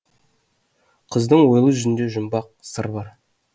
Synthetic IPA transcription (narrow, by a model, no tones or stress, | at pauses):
qʰəzd̪əɴwo̞jlˠəʒʏzɪnd̪e̞ʒʊmbɑq̚səɾbɑɾ